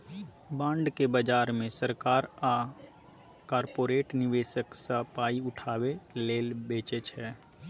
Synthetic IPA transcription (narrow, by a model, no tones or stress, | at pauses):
bãːɳɖkebəd͡ʒaːɾmẽsəɾkaːɾa | kaːɾpoːɾeːʈnɪʋeːʃəksəpaːiʊʈʰaːweleːlbeːt͡ʃet͡ʃʰɛː